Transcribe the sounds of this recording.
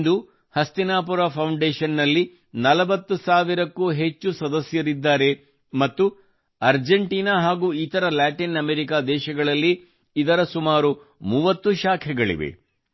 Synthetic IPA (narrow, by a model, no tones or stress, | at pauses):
nd̪u | hɐst̪inaːpuɾaːpʰɐwɳɖeːʃɐnːɐlːi | nɐlɐbɐt̪ːusaːʋiɾɐkːuːɦet͡ʃːusɐd̪ɐsjɐɾid̪ːaːɾe̞ | mɐt̪ːu | ɐɾd͡ʒeɳʈiːnaːɦaːɡuːit̪ɐɾɐlaːʈinɐmeːɾikaːd̪ɛːʃɐɡɐɭɐlːiː | d̪ɐɾɐsumaːɾu | muːʋɐt̪ːuʃaːkʰɛɡɐɭḭʋḛ